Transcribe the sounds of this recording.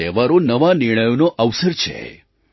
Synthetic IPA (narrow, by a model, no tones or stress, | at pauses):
eʋaɾonəʋanɪɾɳ̃əjonoʔəʋsəɾt͡ʃʰḛ